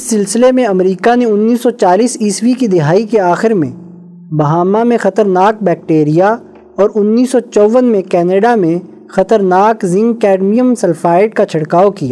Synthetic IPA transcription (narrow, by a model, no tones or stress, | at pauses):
ɪsːɪlsɪlemẽɐmɾiːkaneʊnːiːsɔt͡ʃaːliːsiːswikid̪ɪɦaːikeaːxɪɾmḛ̃ | bɐɦaːmamẽxɐt̪əɾnaːk̚bɛːk̚ʈeːɾija | ɔːɾʊnːiːsːɔt͡ʃɔʋənmẽkɛːneɖamẽ | xɐt̪əɾnaːkzɪ̃ŋɡkɛːɖmijəmsɐlfaːɪʈ̚kat͡ʃʰɐɽkaːokija̰ː